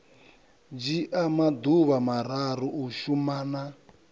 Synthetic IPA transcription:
d͡ʒiʔamad̪uβamaɾaɾuuʃumaːna

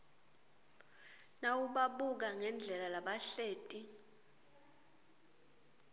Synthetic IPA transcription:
nawuɓaɓuk̬aŋɛnd͡ɮʱɛlalaɓaɬeːtʼi

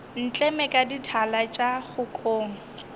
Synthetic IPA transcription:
n̩t͡ɬʼɛmɛkʼaditʰalat͡ʃʼaχʊkʼoːŋ̩

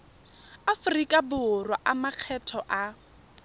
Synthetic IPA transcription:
afʊrikʼabʊrwaʔamaq͡χʰɛtʰɔʔa

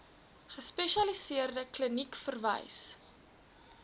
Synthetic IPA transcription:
χəspeʃiɐlisiərdəklənikfərvə̰js

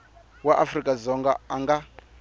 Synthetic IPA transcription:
waʔafɾikʼazɔŋɡa̰aŋɡa

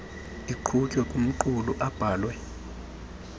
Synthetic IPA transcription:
iǃʰucʼɔkʼum̩ǃuluʔab̥ʱaːlwɛ

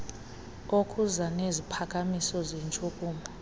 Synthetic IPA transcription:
okʰʼuzanezipʰakʼamisɔzent͡ʃʼukʼuːmʱa

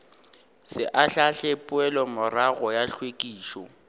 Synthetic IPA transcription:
sɪʔaɬaɬepʼʊɛlɔmʊraɣɔjaɬwekʼiːʃɔ

